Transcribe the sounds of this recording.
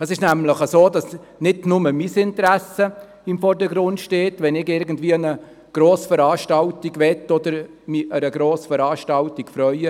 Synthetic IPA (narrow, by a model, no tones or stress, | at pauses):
ɛsɪʃnæmləχəsoːdɑs | nɪdnʊməmisɪntəɾæsə | ɪmfɔrdəɡɾʊndʃteːtʋɛnɪɡɪɾɡən̩dviːəənə | ɡ̥ɾoːsfəɾɑːʃtɑltiɡʋɛtodəɾ | miʔəɾəɡɾoːsfəɾɑːʃtɑltikfɾœʏə